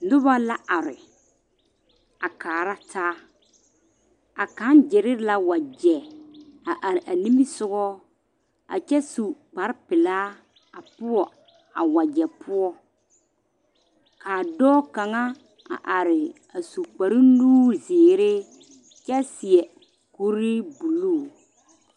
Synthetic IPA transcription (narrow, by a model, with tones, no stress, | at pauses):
nʊ˦ba˦la˦a˨ɾɪ˨ | a˨kaː˨ɾa˦tʰaː˦ | a˨ka˨˦nd͡ʒɪ˨ɾɪ˦ɾla˦wa˨d͡ʒɛ˨a˨ʔa˨ɾɪ˨ʔa˨ni˦mi˦sʊ˦ɡɔ˦ | a̰˨t͡ʃɛ˦su˨k͡pa˨˦ɾpɪ˨laː˦ | a˨pʊ˦ɔ˨ | a˨wa˨d͡ʒɛ˨pʰʊ˦ɔ˦ | kaː˨dɔː˦ka˨ŋa˦ | a̰˨ʔa˨ɾɪ˨ | a˨su˨k͡pa˨ɾi˦luː˦zɪː˨ɾe˦ | t͡ʃɛ˦sɪ˨ɛ˨ | ko˦ɾi˦bu˨luː˦˨